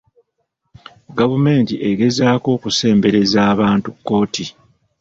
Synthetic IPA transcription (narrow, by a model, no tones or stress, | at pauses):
ɡavume̞ːntiʔe̞ɡe̞zaːko̞ːkuse̞ːmbe̞ɾe̞zaːβaːntukːo̞ːti